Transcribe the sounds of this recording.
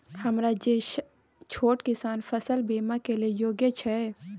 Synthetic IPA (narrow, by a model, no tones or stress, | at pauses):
hɐmɾad͡ʒeːʃ | t͡ʃʰoːʈkɪsaːnfʰəsəlbeːmakeliejoːɡjət͡ʃʰɛ